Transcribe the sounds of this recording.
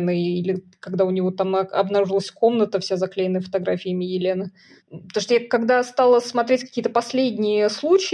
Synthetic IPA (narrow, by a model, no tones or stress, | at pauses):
nɨilʲɪkɐɡd̪aʊnʲɪvo̞t̪amɐ̰bnɐɾuʐɨlˠəsʲko̞mnət̪əfsʲazɐklʲejɪnːəjəfət̪ɐɡɾafʲɪɪmʲɪjɪlʲenə | pt̪oʂt̪ojakɐɡd̪ast̪alˠəsmɐt̪ɾʲetʲkɐkʲiət̪əpɐsʲlʲedʲnʲɪjəslˠut͡ɕɪ